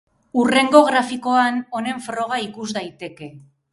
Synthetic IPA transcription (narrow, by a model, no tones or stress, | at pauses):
ure̞ŋɡo̞ɣɾafiko̞ano̞ne̞ɱfɾo̞ɣ̞aikuzd̪ajt̪e̞ke̞